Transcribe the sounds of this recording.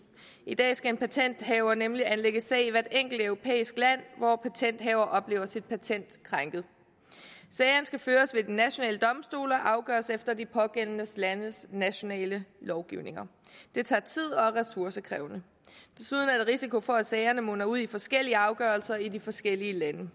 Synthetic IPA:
id̥ɛ̰ːsɡ̥æe̝npʰæt͡sʰen̰d̥ɦɛʊɐnemliʔænleɡ̥əsɛ̰ɪʋæɐd̥eŋ̰ɡ̥l̩d̥œʊʁo̝pʰḛːisɡ̥læn̰ʋɒpʰæt͡sʰen̰d̥ɦɛːʊɐʔɒ̽b̥le̝ːʊɐsid̥̚pʰæt͡sʰen̰d̥kʰʁɑŋɡ̥ð̞̩ˠ | sɛɪɐnsɡ̥æføːɐsʋe̝d̥inæɕo̝nɛ̰ːləd̥ɒ̽msd̥o̝̰ːlɐʔɑ̈ʊɡ̥ɶ̰ːɐsefd̥ɐd̥ipʰɒ̽ɡ̥en̰nəslænəsnæɕo̝nɛ̰ːləlɒʊɡ̥iʊne̝ŋɐ | d̥e̝t͡sʰɑ̰̈ːt͡sʰið̞̰ˠɒ̽ʁɛsuɐsəkʰʁɛ̰ːʊnə | d̥e̝suð̞ˠnæe̝dʁisiko̝fɒ̽æ̥sɛɪɐnəmɔnɐuð̞̰ˠifɒ̽sɡ̥el̰iəɑ̈ʊɡ̥ɶːɐlsɐidifɒ̽sɡ̥el̰iəlænə

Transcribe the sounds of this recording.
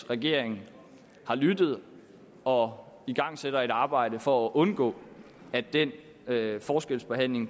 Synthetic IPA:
ʁaɡ̥e̝ɐ̰e̝ŋn̩ | hɑ̈lyd̥ð̞̩ˠ | ɒ̽ | iɡ̥ɑ̈ŋ̰sed̥ɐe̝ɾɑ̈ːb̥ɑ̈ɪ̰d̥əfɒ̽æʔɔ̽nɡ̥ɔ̰̽ː | æd̥en̰ | fɒːsɡ̥el̰sb̥e̝ɦæn̰le̝ŋ

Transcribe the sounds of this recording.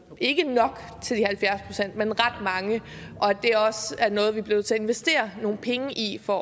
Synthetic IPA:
ʔe̝ɡ̥ənɒ̽ɡ̥ | t͡sʰe̝ld̥ihælfjæɐspʰʁo̝sen̰d̥menʁɑd̥mɑ̈ŋə | ʔɒ̽d̥e̝æɒ̽sæɐnɔ̽ːð̞̩ˠʋib̥le̝ʊð̩ˠt͡sʰe̝æe̝nʋesd̥e̝̰ːɐno̝ːn̩pʰeŋəʔifɒ

